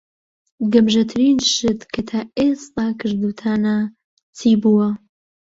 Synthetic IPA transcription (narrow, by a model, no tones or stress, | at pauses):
ɡɐmʒɐt̪ʰɨɾinʃɨd̪kʰɨt̪ʰaːest̪aːkʰɨɾd̪ut̪ʰaːnɐ | t͡sʰiːbuːwɐ